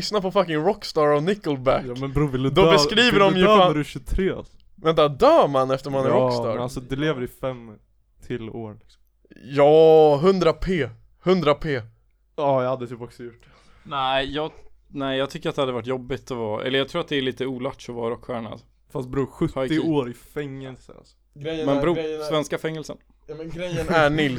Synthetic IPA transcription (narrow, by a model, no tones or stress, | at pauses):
snapʰɔfakɪŋɾɔkːst̪ɑːɾɔnɪkəlbækjmɛnbɾuːvɪld̪d̪ɔbɛskɾiːvəɖɔmjaɾɕɵt̪ʰɾḛː | vɛnt̪ːad̪œːmanɛft̪əɾmanæɾɔkːst̪ɑ̰ːɾasɔd̪ɛleːvəɾɪfɛm | t̪ʰɪlo̰ːɾlɪksɔmmm | jɑːɦɵnd̪ɾapʰeː | hɵnd̪ɾapʰeː | ɑːjɑhad̪ːət̪ʰypɔksɔjʊʈ̚ːdɛ̥ | næɪjɑː | næɪjɑːɡt̪ʰʏkːəɾat̪d̪ɛhad̪əvaʈ̬ːjɔbːɪt̪ɔvɑːʔɛ̰lːəjɑɡt̪ʰɾuːɾat̪d̪ɛæɭiːt̪əuːlaʈʂɔvɑːɾɔkɧæːɳa̰d̪ | fast̪̚bɾuːɧɵt̪hːɪɪoːɾɪfɛŋːɛlsə̰a̰lsɔ̥ | ɡɾɛmɛnɾuːsvɛnskafɛŋːɛlsən | mɛnɡɾɛjːənæɳɪl